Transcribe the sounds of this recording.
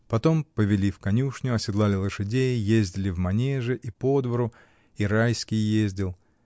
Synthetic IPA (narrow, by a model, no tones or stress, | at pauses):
pɐt̪o̞mpəvʲɪlʲifkɐnʲuʂnʲʊɐsʲɪd̪lˠalʲɪlˠəʂɨdʲejjezʲdʲɪlʲɪvmɐnʲeʐɨʔipo̞d̪vəɾʊ | iɾajskʲɪjjezʲdʲɪlˠ